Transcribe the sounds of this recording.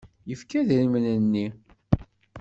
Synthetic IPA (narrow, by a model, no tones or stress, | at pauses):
jəfkæðɾimənənːi